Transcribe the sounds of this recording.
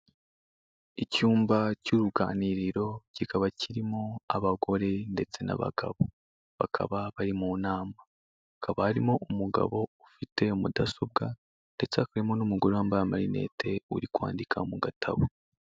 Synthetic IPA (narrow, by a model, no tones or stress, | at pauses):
icuːmbacuɾuɡaːniɾiɾo̞cikaβaciɾimoaβaɡo̞ɾe̞nde̞t͡se̞na̰βa̰ɡa̰βo̞ | βa̰kʰa̰βaβaɾimuːnaːma | hakaβahaɾimo̞ʔumuɡa̰βo̞ufite̞umudaso̞b̚ɡa | nde̞t͡sehakaɾimo̞numuɡoɾewaːmbajamaɾine̞̰ːtʰe̞ṵɾikwa̰ːndikʰa̰muɡatʰa̰βo